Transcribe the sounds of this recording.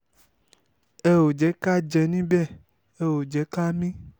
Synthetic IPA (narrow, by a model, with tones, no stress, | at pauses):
e˦wo˨d͡ʒɛ˨˦ka˦d͡ʒɛ˧nĩ˦bɛ˦˨ | e˦wo˨d͡ʒɛ˨˦ka˦mĩ˦